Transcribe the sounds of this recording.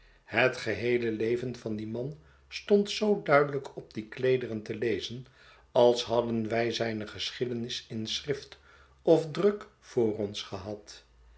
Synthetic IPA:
hətχəɦejləlejvənvɑndimɑn | stɔntsowdœɥdələkʰɔb̚diklejdərəntəlejzən | ɑlˠsɦɑdənʋɛjzɛjnəχəsχɪdənɪsɪnsrɪft | ɔfdrɵkfʊːrɔnsχəɦɑt

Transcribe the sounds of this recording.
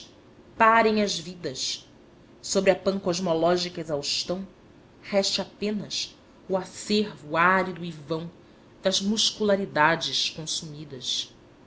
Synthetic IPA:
paɾẽj̃ɐzvid̪ɐs | sobɾɪɐpɐ̃ŋkɔʒmɔlɔʒikɐezawʃt̪ɐ̃w̃ | hɛʃt͡ʃapẽnɐs | uaseɾvuaɾid̪uivɐ̃w̃ | d̪̥ɐzmuʃkulaɾid̪ad͡ʒɪʃkõsumid̪ɐs

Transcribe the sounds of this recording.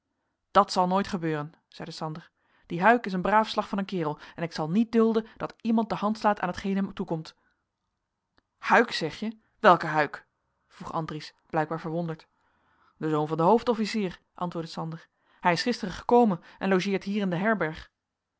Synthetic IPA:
d̥ɑtsɑlˠnojtχəbøːrən | z̥ɛjdəsɑndəɹ | d̥iɦœɥkɪs̬ənbraːfslɑχfɑnənkɪːrəlˠɛnɪksɑlˠnit̚dɵlˠdənd̥ɑtimɑnt̚dəɦɑntslaːtʰaːnɦətχejnɦɛmtukɔmt | hœɥksɛχjə | ʋɛlˠkəɦœɥk | v̥ruχɑ̰ndrisb̥lɛjɡ̚baːɹvəɹʋɔndəɹt | d̥əzownvɑndəɦowftɔfisiːr | ʔɑ̰ntʋʊːɹdəsɑndəɹ | hɛjɪsχɪstərəχə̥kowmənʔɛnlowʒɪːɹtɦiːrɪndəɦɛɹbɛɹχ

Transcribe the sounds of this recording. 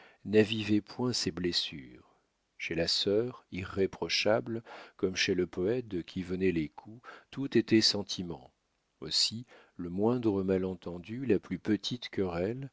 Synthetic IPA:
navivɛpwɛ̃seblesyʁ | ʃelasœʁiʁːepχɔʃablkɔmʃeləpɔɛt̪̚d̪kʲʰivənɛlekʰut̪ut̪et̪ɛsɑ̃t̪ʰimɑ̰̃ | osi | ləmwɛ̃d̪ʁəmalɑ̃t̪ɑ̃d̪ylaplypət̪ʰit̪kʲəʁɛl

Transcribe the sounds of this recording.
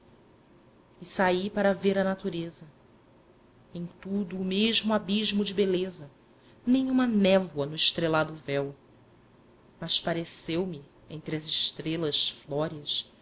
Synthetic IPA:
isaipaɾɐveɾɐnat̪uɾezɐ | ẽj̃t̪ud̪ʊːmeʒmʊabiʒmʊd͡ʒɪbelezɐ | nẽj̃ũmɐnɛvwɐnʊɪʃt̪ɾelad̪ʊvɛw | mɐʃpaɾesewmi | ẽnt̪ɾɪɐzɪʃt̪ɾelɐʃflɔɾiɐs

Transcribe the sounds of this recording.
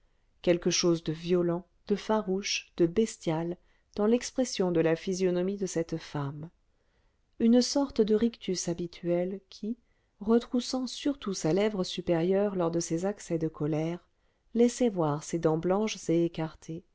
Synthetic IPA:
kʲɛlkəʃozd̪əvjɔlɑ̃ | d̪̥əfaʁuʃd̪̥əbɛst̪jal | d̪̥ɑ̃lɛkspχɛsjɔ̃d̪əlafizjɔnɔmid̪əsɛt̪fam | ynsɔʁt̪d̪əʁikt̪ysabit̪ʰyɛlkʲʰi | ʁət̪χusɑ̃syʁt̪usalɛvʁəsypeʁjœʁlɔʁd̪əsezaksɛd̪əkʰɔlɛʁ | lɛsɛvwaʁsed̪ɑ̃blɑ̃ʃz̥eːkaʁt̪ʰe

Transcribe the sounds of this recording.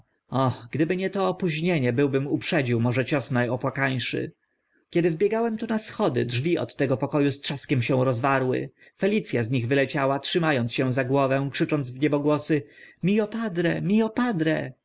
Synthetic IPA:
ɔxɡd̪ɘbɘɲɛt̪ɔːpuʑɲeɲɛbɘwbɘmupʂɛd͡ʑiwmɔʐɛt͡ɕɔsnajɔpwakaɲʂɘ̰ | kʲɛd̪ɘvbʲjɛɡawɛmt̪unasxɔd̪ɘ̰dʐvʲiɔ̰t̪ːɛɡɔpɔkɔjustʂaskʲɛmɕɛ̃w̃ɾɔzvaɾwɘ̰ | fɛlʲit̪sʲjazɲiɣvɘlɛt͡ɕawatʂɘmajɔntsɕɛ̃zaɡwɔvɛ̃kʂɘt͡ʂɔnd̪zvɲɛbɔɡwɔsɘmʲiɔpad̪ɾɛmʲiɔpad̪ɾɛ

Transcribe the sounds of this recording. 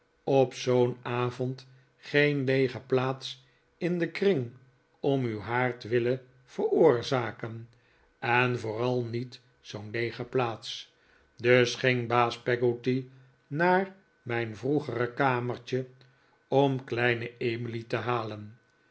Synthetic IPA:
ɔpsownaːvɔnt | χejnlejχəplaːts | ɪndəkrɪŋ | ɔmywɦaːɹtʋɪlə | v̥əɹʊːɹzaːkən | ɛnvʊːrɑlˠnit | zownlejχəplaːts | d̪ɵsχɪŋbaːspɛɡoti | naːr | mɛjnvruχərəkaːməɹt͡ʃə | ɔmklɛjnəemilitəɦaːlən

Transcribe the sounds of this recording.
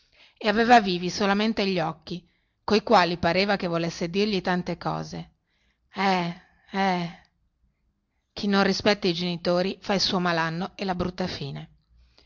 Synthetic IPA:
eaveːvaviːvisolament̪eʎːɔkːi | koikwaːlipaɾeːvakevːolesːed̪irʎit̪ant̪ekɔ̰ːze | ɛ | ɛ | k̟ʰinːonrispɛt̪ːaid͡ʒenit̪oːɾifailsuːomalanːoelabɾut̪ːafiːne

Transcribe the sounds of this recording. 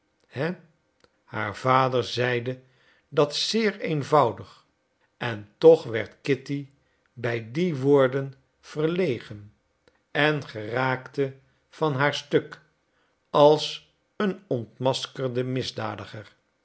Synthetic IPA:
hɛ | ha̰ːɹv̥aːdəɹzɛjdə | dɑtsɪːɹejnvɑwdəχ | ɛntɔχʋɛɹtkɪti | bɛjdiʋʊːɹdən | v̥əɹlejχən | ɛnχəraːktə | v̥ɑnɦaːɹstɵk | ɑlˠs | ənɔntmɑskəldəmɪzdaːdəχər

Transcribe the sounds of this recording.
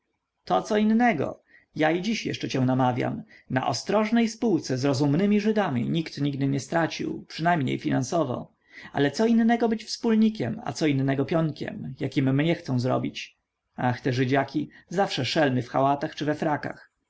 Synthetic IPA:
t̪ɔt̪sɔinːɛɡɔ̰ | jaid͡ʑiɕjɛ̰ʂt͡ʂɛt͡ɕɛ̃w̃namavʲja̰mna̰ʔɔst̪ɾɔʐnɛjspuwt̪sɛzɾɔzumnɘmʲiʐɘd̪amʲḭɲikt̪ɲiɡd̪ɘɲɛst̪ɾat͡ɕḭwpʂɘnajmɲḛjfʲinansɔvɔ̰ | ʔa̰lɛt̪sɔinːɛɡɔbɘt͡ɕfspulɲikʲɛma̰t̪sɔinːɛɡɔpʲjɔŋkʲɛ̰mjakʲimːɲɛxt̪sɔ̃w̃zɾɔ̰bʲit͡ɕ | axt̪ɛʐɘd͡ʑakʲizafʂɛʂɛlmɘfxawat̪axt͡ʂɘvɛfɾaka̰x

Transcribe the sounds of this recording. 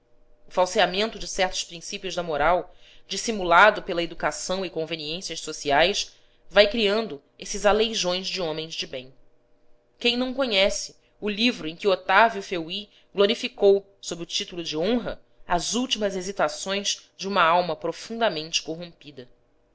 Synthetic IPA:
ʊfawsiamẽnt̪ʊd͡ʒɪsɛχt̪ʊ̥ʃpɾĩsipiʊzd̪ɐmoɾawd͡ʒisimulad̪ʊpelɐed̪ukasɐ̃w̃ɪkõveniẽsiɐʃsosiajs | vajkɾiɐ̃nd̪ʊ | esɪzalejʒõj̃zd͡ʒɪõmẽj̃zd͡ʒɪbẽj̃ | kẽj̃nɐ̃w̃koɲɛsɪ̥ | ʊlivɾʊẽkʲɪot̪avjufewi | ɡloɾifikow | sobɾɪʊt͡ʃit̪ulʊd͡ʒɪõɦɐ | ɐzuwt͡ʃimɐzezit̪asõj̃zd͡ʒɪũmɐawmɐpɾofũnd̪ɐmẽnt͡ʃɪ̥koɦõmpid̪ɐ

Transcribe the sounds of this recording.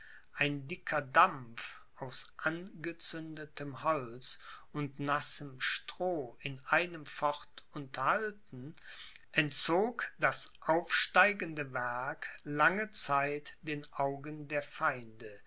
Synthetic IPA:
ʔaɪndɪkʰɐdamf | ʔaʊsʔanɡət͡sʏndətʰəmhɔlt͡sʊntnasəmʃtʁ̥oːɪnʔaɪnəmfɔʁtʔʊntʰɐhaltn̩ | ʔɛntt͡soːkd̥asʔaʊfʃtaɪɡəndəvɛɐklaŋət͡saɪtd̥eːnʔaʊɡəndeːɐfaɪndə

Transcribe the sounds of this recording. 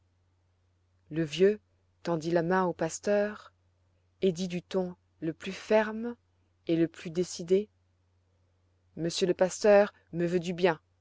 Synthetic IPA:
ləvjø | t̪ɑ̃d̪ilamɛ̃opast̪œːʁ | ed̪id̪yt̪ɔ̃ | ləplyfɛʁm | eləplyd̪esid̪e | məsjøləpast̪œːʁ | məvød̪ybjɛ̃

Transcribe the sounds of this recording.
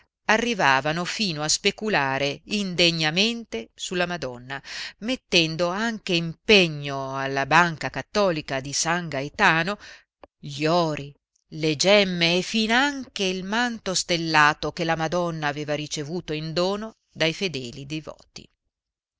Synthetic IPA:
arːivaːvanofiːnoaspekulaːɾeind̪eɲːament̪esulːamad̪ɔnːamet̪ːɛnd̪oaŋk̟eimpeɲːoalːabaŋkakat̪ːɔːlikad̪isaŋɡaet̪aːno | ʎɔːɾi | led͡ʒɛmːeːfːinoaŋkeilmant̪ost̪elːaːt̪ok̟elamad̪ɔnːaːveːvaɾit͡ʃevuːt̪oind̪oːno | d̪ajfed̪ɛːlid̪ejvɔ̰ːt̪ḭ

